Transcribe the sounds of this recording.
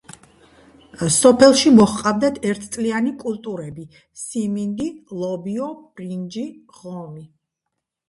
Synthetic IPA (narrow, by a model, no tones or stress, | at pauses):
sɔpʰɛlˠʃimɔχqʼavd̪at̪ʰɛɾt̪ʰt̪sʼlianikʼulˠt̪ʼuɾɛbi | simind̪ilˠɔbiɔb̥ɾind͡ʒi | ʁɔmi